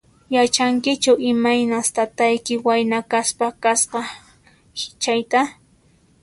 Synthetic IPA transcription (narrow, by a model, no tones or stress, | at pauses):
jat͡ʃaŋkɪt͡ʃawɪmajnast̪at̪ajkɪwajnakaspakasqɑ | t͡ʃajt̪a